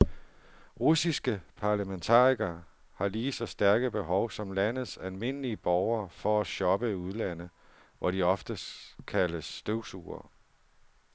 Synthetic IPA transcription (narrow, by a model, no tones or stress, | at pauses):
ʁusisɡ̥əpʰɑ̈læment͡sʰɑ̰̈ːiɡ̥ɐ | hɑ̈liːsɒ̽sd̥æɐɡ̥əb̥e̝ɦɒʊsɒ̽mlænð̩ˠsælme̝n̰əliəb̥ɒʊɐːfɒ̽æɕɒ̽b̥əiuð̞ˠlæn̰ð | ʋʔɒɾ̥iɒ̽fd̥əkʰæləsːd̥øʊ̥sṵːɐ̰